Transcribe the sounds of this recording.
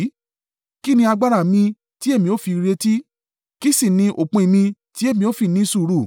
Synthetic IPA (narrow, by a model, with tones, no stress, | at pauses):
ki˦nĩ˧a˧ɡ͡ba˧ɾa˦˨mĩ˧ | ti˨˦e˦˨mĩ˧o˦fi˧ɾe˧ti˦ | ki˦si˦˨nĩ˧ʔo˨k͡pũ˧i˨˧˨mĩ˧ti˨˦e˦˨mĩ˧o˦fi˦˨nĩ˨˦su˦˨ɾu˦˨